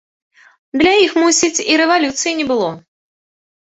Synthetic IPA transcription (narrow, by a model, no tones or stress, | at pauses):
d̪lʲajixmusʲit͡sʲiɾɛvalʲut̪sɨjinʲɛbɨlˠɔ